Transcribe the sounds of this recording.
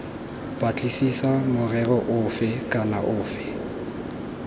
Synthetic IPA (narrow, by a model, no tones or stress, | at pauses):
pʼat͡ɬʼisisamʊrɛrɔʔʊːfɪkʼana̰ʔʊːfɪ